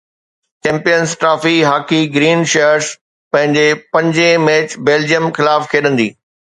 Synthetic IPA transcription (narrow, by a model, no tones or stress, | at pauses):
t͡ɕɛ̃ːmpijənzʈɾaːfiɦaːkiɡɾiːnʃeəɾs | pɐ̃ɦɪ̃ɲd͡ʑepɐ̃ɲd͡ʑemɛːt͡ɕbeːld͡ʑijəmxɪlaːfkʰeːɗə̃nd̪iː